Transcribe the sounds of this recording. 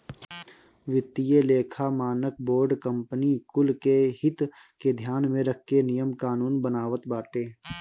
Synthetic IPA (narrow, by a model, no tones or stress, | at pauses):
ʋɪt̪ːijeleːkʰamaːnək̚boːɾɖkə̃mpənikʊlkeɦɪt̪ | ked̪ʱjaːnmẽɾəkʰːenɪjəmkaːnuːnbənaːʋət̪baːʈeː